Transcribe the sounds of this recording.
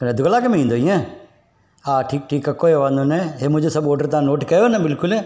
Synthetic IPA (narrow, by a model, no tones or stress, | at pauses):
knɛd̪ʊɡlaːkəmĩːnd̪oːiɛ̃ː | aːʈʰiːk̚ʈʰiːkːəkːoːeːʋãːnd̪oːnɛɦeːmʊd͡ʒosəbɔːɖəɾt̪ãːnoːʈkɛːonɛːbɪlkʊlɛː